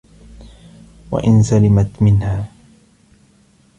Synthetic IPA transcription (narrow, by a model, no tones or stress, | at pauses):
wa̰ʔɪnsalɪmat̪mɪnhaː